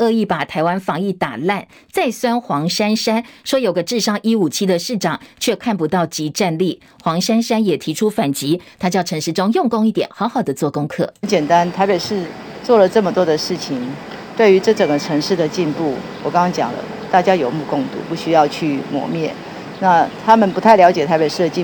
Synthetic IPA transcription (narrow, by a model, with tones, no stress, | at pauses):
ɤ˥˧i˥˩pa˨˩t̪ʰa˧˥ɪwa˥nfɑ˧˥ŋi˥˩t̪a̰˨˩la˥˧n | t͡sa˥˩ɪswa˥nxwɑ˧˥ŋʂa˥nʂa˥nʂwɔ˥jo˨ʊɡə˦ʈ͡ʂɻ̩˥˧ʂɑ˥˩ŋʔi˥u˨˩t͡ɕʰi˥d̪ə˨ʂɻ̩˥˩ʈ͡ʂɑ˨˩ŋt͡ɕʰɥɛ˥˧kʰa˥˩npu˧˥t̪ɑ˥˩ʊt͡ɕi˧˥ʈ͡ʂa˥˧nli˥˩ | xwɑ˧˥ŋʂa˥nʂa˥njɛ˨˩t̪ʰi˧˥ʈ͡ʂʰu˥fa˨˩nt͡ɕi˧˥t̪ʰa˥t͡ɕjɑ˥˩ʊʈ͡ʂʰɤ˧˥ŋʂɻ̩˥˩ʈ͡ʂʊ˥ŋjʊ˥˧ŋkʊ˥˧ŋi˥˩t̪jɛ˨˩nxɑ˧˥ʊxɑ˨˩ʊd̪ə˦t͡swɔ˥˩kʊ˥ŋkʰɤ̰˥˩nt͡ɕjɛ˨˩nt̪a˦nt̪ʰa˧˥ɪpe˨˩ɪʂɻ̩˥˧t͡swɔ˥˩lə˩ʈ͡ʂɤ˥˩mə˩t̪wɔ˥d̪ə˨ʂɻ̩˥˩t͡ɕʰi˧˦ŋ | t̪we˥˩ɪy˧˥ʈ͡ʂɤ˥˩ʈ͡ʂə˨˩ŋɡə˦ʈ͡ʂʰɤ˧˥ŋʂɻ̩˥˩d̪ə˩t͡ɕi˥˧npu˥˩wɔ˨˩kɑ˥ŋɑ˥ŋt͡ɕjɑ̰˨˩ŋlə̰˦ | t̪a˥˩t͡ɕja˥jo˨˩ʊmu˥˧kʊ˥˧ŋt̪ṵ˨˥˦pu˥˩ɕy˥jɑ˥˧ʊt͡ɕʰy˥˩mwɔ̰˨˥˦mjɛ˥˨˩ | na˥˨˩t̪ʰa˥mə˨npu˧˥t̪ʰa˥˩ɪljɑ˧˥ʊt͡ɕjɛ˨˩t̪ʰa˧˥ɪpe˨˩ʂɻ̩˥˩d̪ə˩t͡ɕi˥˨